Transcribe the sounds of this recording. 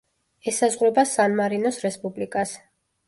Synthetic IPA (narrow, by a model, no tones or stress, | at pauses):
ɛsazʁɾɛbasanmaɾinɔsɾɛspʼublikʼas